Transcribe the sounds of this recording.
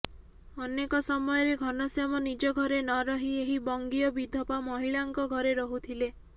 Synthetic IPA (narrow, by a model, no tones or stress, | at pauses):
ɔnekɔsɔmɔjɔɾeɡʱɔnɔsjamɔnid͡ʒɔɡʱɔɾenɔɾɔɦieɦibɔŋɡiɔbid̪ʱɔpamɔɦiɭaŋkɔɡʱɔɾeɾɔɦut̪ʰile